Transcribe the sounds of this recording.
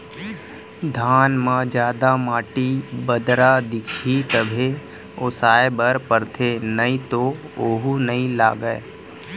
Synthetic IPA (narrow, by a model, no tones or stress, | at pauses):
d̪ʱaːnmãd͡ʒjaːd̪amaːʈibəd̪ɾad̪ɪkʰit̪əbʱe | osaːebəɾpəɾt̪ʰenəĩt̪o | oːɦunɐĩla̰ːɡəe